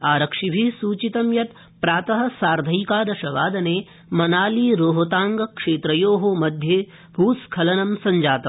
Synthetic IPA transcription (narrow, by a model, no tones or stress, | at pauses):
aːɾɐkʂibʱisuːt͡ʃit̪ɐmjɐt̪ | pɾaːt̪ɐɦɐ̆saːɾd̪ʱɐjkaːd̪ɐʃɐʋaːd̪ɐneː | mɐnaːliːɾoːɦot̪aːŋɡɐkʂeːt̪ɾɐjoːɦomɐd̪ʱjeː | bʱuːskʰɐlɐnɐmsɐɲd͡ʒaːt̪ɐm